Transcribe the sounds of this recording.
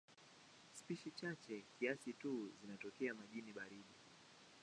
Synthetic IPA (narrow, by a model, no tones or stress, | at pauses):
spiʃit͡ʃat͡ʃɛkiasituzinatɔkɛamaʄiniɓaɾiɗi